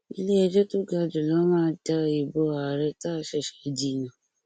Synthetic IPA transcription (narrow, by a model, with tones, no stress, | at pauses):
i˧le˦ɛ˧d͡ʒɛ˦to˦ɡa˧d͡ʒu˨lɔ˨˦mãː˦d͡ʒa˧˨i˨bo˨˧a˨ɾɛ˧ta˦˧ʃɛ˦˨ʃɛ˨d͡ʒi˦˨jã˨